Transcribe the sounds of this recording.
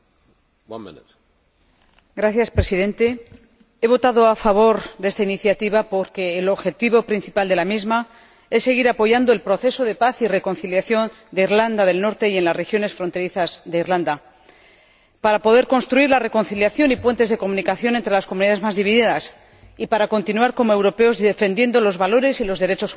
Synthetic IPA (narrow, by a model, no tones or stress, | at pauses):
n | ɡɾaθjaspɾe̞siðẽ̞nt̪e̞ | e̞β̞o̞t̪aðo̞afaβ̞o̞ɾðest̪ainiθjat̪iβapo̞ɾke̞ːlo̞βxe̞t̪iβo̞pɾin̟θipald̪e̞lamizma | e̞sːe̞ɣiɾapo̞ʝand̪oe̞lpɾo̞θe̞so̞ðe̞paθire̞ko̞nθiljaθjo̞n | d̪e̞iɾland̪aðe̞lno̞ɾt̪e̞je̞nlasre̞xjo̞ne̞sfɾo̞nt̪e̞ɾiθazðe̞irland̪a | paɾapo̞ðe̞ɾko̞nst̪ɾuiɾlare̞ko̞nθiljaθjo̞nipwe̞nt̪e̞zðe̞ko̞mũnikaθjo̞nent̪ɾe̞lasko̞muniðaðezmazðiβiðiðas | ipaɾako̞nt̪inuaɾko̞moe̞wɾo̞pe̞o̞zðefe̞nd̪je̞nd̪o̞lo̞zβalo̞ɾe̞silo̞zðe̞ɾe̞t͡ʃo̞s